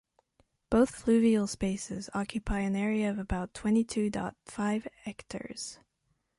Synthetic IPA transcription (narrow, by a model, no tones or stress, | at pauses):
b̥oʊθfʰlʉvil̩ˠspeɪsɪ̰zɑkjɨpʰaɪɨ̃nɛɹiɨʌvɨbaʊtʰw̥ɛ̃ñitʰʉdɑ̰tfaɪvɛktʰə̰˞z̥